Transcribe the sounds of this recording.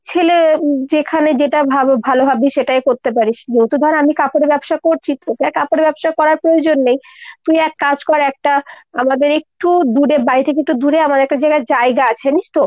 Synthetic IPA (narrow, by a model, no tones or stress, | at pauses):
t͡ɕʰeled͡ʑekʰaned͡ʑeʈabʱabʱalobʱabeʃeʈajkoɾt̪ep̬aɾiʃd͡ʑowt̪ud̪ʱɔɾenamikapoɽebɛbʃakoɾt͡ɕʰit̪okɛkapoɽebɛbʃakɔɾaɾpɾood͡ʑonːejt̪ujɛk̚ːad͡ʑkɔɾaɛk̚ʈaamad̪eɾek̚ʈud̪uɾebaɾit̪ʰekeek̚ʈud̪uɾeamaɾɛk̚ʈad͡ʑaeɡad͡ʑaeɡaat͡ɕʰeniʃt̪ʰo